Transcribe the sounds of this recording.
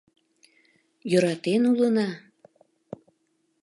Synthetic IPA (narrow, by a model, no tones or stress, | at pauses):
jøɾɑt̪enulənɑ